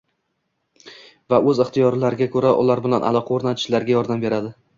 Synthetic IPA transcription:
vaʔɵzɪχt̪ijɒɾlaɾɪɡʲakʰɵɾaʔʊ̰laɾbɪlanʔa̰lˠɒqʰɑoɾnat̪ʰɪ̥ʃlaɾɡʲajɒɾd̪ambe̞ɾad̪ɪ

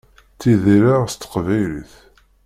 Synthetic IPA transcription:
t͡sːiðiɾæʁst̪ːə̥qvæjlḭθ

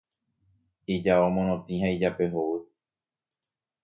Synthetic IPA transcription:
id͡ʒaomõnõt̪ĩhãid͡ʒape̞ɦowɨ

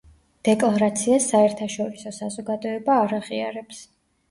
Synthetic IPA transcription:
d̪̥ɛkʼlˠaɾat̪sʰiasːaɛɾt̪ʰaʃɔɾisɔsazɔɡad̪ɔɛbaːɾaʁia̰ɾɛps

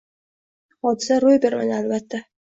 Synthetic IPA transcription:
ɒd̪ɪsaɾojbe̞ɾma̰nalbat̪ʰːa

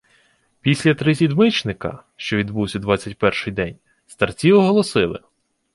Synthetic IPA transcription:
pʲisʲlʲɐt̪ɾɪsʲid̪mɪt͡ʃnɪkɐ̰ʃt͡ʃɔʋʲid̪buwsʲɐd̪ʋɑt͡sʲːɐtʲpɛrʃɪjd̪ɛnʲ | st̪ɐrt͡sʲiwɔɦɔlˠɔsɪlˠɪ̰

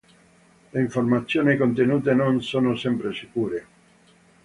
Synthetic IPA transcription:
leiɱformat̪sːjoːnikont̪enuːt̪enonsoːnosɛmpɾesikuːɾe

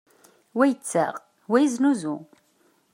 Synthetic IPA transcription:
wæjət͡sːæ̰ʁ | wæjiznuzu

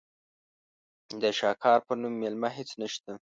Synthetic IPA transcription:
d̪əʃɑkʰɑɾpənumːelmaɦet͡snaʃt̪a

